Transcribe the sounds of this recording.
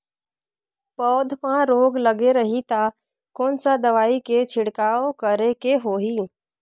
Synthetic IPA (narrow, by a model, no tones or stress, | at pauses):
pɔːd̪ʱpãɾoːɡləɡeɾəɦit̪a | kɔːnsad̪əʋaːiket͡ʃʰɪɽkaːokəɾekeɦoːɦiː